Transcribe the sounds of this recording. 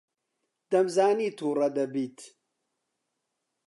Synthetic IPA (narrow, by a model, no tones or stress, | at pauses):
d̪̥ɐmzaːniːt̪ʰuːrɐd̪ɐbiːt̪